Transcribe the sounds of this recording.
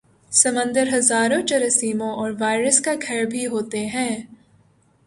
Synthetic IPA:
sɐmə̃nd̪əɾɦɐzaːɾõt͡ʃɐɾəsiːmõʔɔːɾʋaːɪɾəskakʰɛːɾbʱiɦoːt̪eɦɛ̃ː

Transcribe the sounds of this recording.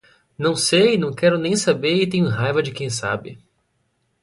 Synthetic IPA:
nɐ̃w̃sejnɐ̃w̃kɛɾʊnẽj̃sabeɾɪt̪ẽɲʊɦajvɐd͡ʒɪkẽj̃sa̰bɪ

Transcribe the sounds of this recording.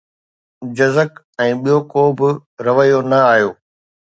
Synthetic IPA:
d͡ʑɐzək | ɛ̃ːɓijokoːbɪɾɐʋəjonɐaːjoː

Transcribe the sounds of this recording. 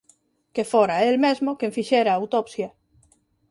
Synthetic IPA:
kefoɾaelmezmokẽɱfiʃeɾaːwt̪opsja

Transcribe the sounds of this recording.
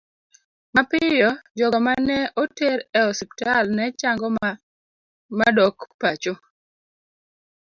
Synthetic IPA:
mapɪjɔd͡ʒɔɡɔmanɛʔotɛɾɛɔsiptalnɛt͡ʃaŋɡɔ | madɔkpat͡ʃo

